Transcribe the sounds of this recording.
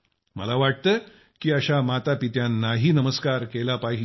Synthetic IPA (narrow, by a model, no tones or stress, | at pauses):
mə̰laʋaʈ̚t̪ə | kiːəɕamat̪apit̪janːaɦiːnəməskaɾkelapaɦi